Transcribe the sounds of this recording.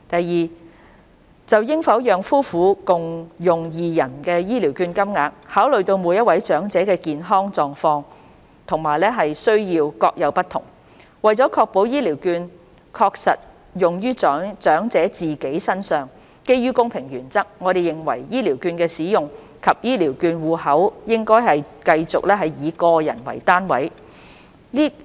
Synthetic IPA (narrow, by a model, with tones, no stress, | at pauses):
t̪ɐ˨jjiː˨˩ | t͡sɐ˨wjɪ˥ŋfɐ˨˥wjœː˨ŋfuː˥fuː˨˥kʊ˨˩ŋjʊ˨˩ŋjiː˨jɐ˨˩nkɛː˧jiː˥li˨˩wkyː˧nkɐ˥mŋaː˨˧k̚haː˨˥wlɵ˨ɥt̪o˧wmuː˨˧jɐ˥t̚wɐ˨˥jt͡ʃœː˨˥ŋt͡sɛː˨˥kɛː˧kiː˨nɦɔː˥ŋt͡sɔː˨˧ŋfɔː˧ŋ | t̪ʰʊ˨˩ŋmaː˨˩jlɛː˥ɦɐ˨jsɵ˥ɥjiː˧wkɔː˧k̚jɐ˨˧wpɐ˥t̪ʰʊ̰˨˩ŋ | wɐ˨˩jt͡sɔː˨˥kʰɔː˧k̚po˨˥wjiː˥liː˨˩wkyː˧n | kʰɔː˧k̚sɐ˨t̚ | jʊ˨˩ŋjyː˥t͡ʃœː˨˥t͡ʃœː˨˥ŋt͡sɛː˨˥t͡siː˨˩ke˨˥jsɐ˥nsœː˨˩ŋ | ke˥jyː˥kʊ˥ŋpʰɪ˨˩ŋjyː˨˩nt͡sɐ˥k̚ŋɔː˨˧ɾe˨jɪ˨ŋwɐ˨˩jjiː˥liː˨˩wkyː˧nkɛː˧siː˨˥jʊ˨˩ŋ | kʰɐ˨p̚jiː˥liː˨˩wkyː˧nwuː˨hɐ˨˥wjɪ˥ŋkɔː˥jɦɐ˨j | kɐ˧jt͡sʊ˨k̚lɛː˥ɦɐ˨jjiː˨˧kɔː˧jɐ̰˨˩nwɐ̰˨˩jt̪aː˥nwɐ̰˨˥j | liː˥